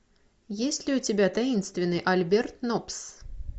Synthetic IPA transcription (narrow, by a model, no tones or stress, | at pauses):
jesʲtʲlʲɪʊt͡sʲɪbʲat̪ajinst̪vʲɪnːɨʔɐlʲbʲɛrt̪̚nɔps